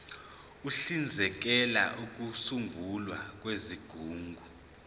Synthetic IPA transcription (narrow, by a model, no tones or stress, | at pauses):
uɬind͡zʱɛk̬ɛla̰ʔuk̬ʼusuŋɡʱulwak̬ʼweziɡ̥ʱuːŋɡʱu